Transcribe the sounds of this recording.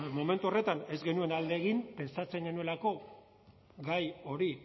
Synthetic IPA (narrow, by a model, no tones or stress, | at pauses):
mo̞me̞nt̪uo̞re̞t̪ane̞zɡe̞nue̞nald̪e̞ːɣimpe̞nsat͡se̞ŋɡe̞nue̞lako̞ | ɡajo̞ɾi